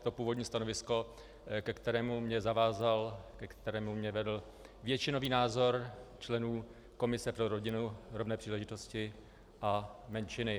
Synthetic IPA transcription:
t̪o̞puːvodɲiːst̪ano̞vɪsko̞ | kɛkt̪ɛɾɛːmumɲɛzavaːzalkɛkt̪ɛɾɛːmumɲɛvɛdl̩ | vjɛt͡ʃɪno̞viːnaːzo̞ɾt͡ʃlɛnuː | ko̞mɪsɛpɾoɾo̞ɟɪnuɾovnɛːpr̥iːlɛʒɪt̪o̞scɪ | ʔamɛnt͡ʃɪnɪ

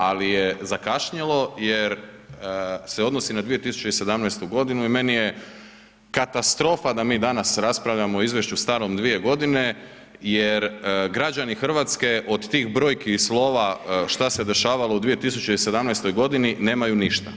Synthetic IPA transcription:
alijezakaʃɲelo̞jeɾ | seod̪nosinad̪ʋie̞t̪isu̥t͡ʃe̞ise̞d̪amnajst̪uɡo̞d̪inuime̞nije̞ | kat̪ast̪ɾo̞fad̪amiːd̪anasɾaspɾaʋʎamooizʋje̞ʃust̪aːɾo̞md̪ʋije̞ɡo̞d̪ine̞ | jeɾɡɾad͡ʑanixr̩ʋaːt̪ske̞ʔo̞d̪t̪iːxbɾo̞ːjkislˠo̞ːʋaʃt̪ase̞d̪e̞ʃaːʋalo̞ud̪ʋijet̪is̬ut͡ɕe̞ise̞d̪amnajst̪o̞jɡo̞d̪inine̞ːmajuniʃt̪a̰

